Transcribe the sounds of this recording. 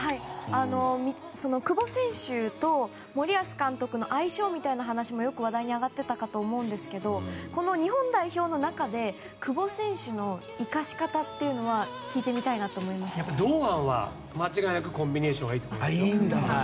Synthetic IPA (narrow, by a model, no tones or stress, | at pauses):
haiano̞mʲi | so̞no̞kɯ̟bo̞sẽ̞ɰ̃ɕɨt̪o̞ | mo̞ɾʲiasɨ̥kãnt̪o̞kɯ̟no̞ʔaiɕo̞ːmʲit̪ainaɦanaɕimo̞jo̞kɯ̟βad̪aiɲ̟iaɡat̪ːe̞t̪akat̪o̞ːmo̞ɯ̟̃nd̪e̞sɨ̥ke̞d̪o̞ko̞no̞ɲ̟iɦõ̞nd̪aiçʲo̞ːno̞nakad̪e̞ | kɯ̟bo̞sẽ̞ɰ̃ɕɨno̞ | ikaɕi̥kat̪at̪ːe̞jɯ̟no̞βa | kʲiːt̪e̞mʲit̪ainat̪o̞ːmo̞imasɨjapːad̪oːãβa̰ | mat͡ɕiɡainakɯ̟kõ̞mbʲine̞ːɕõɡaiːt̪omoid̪a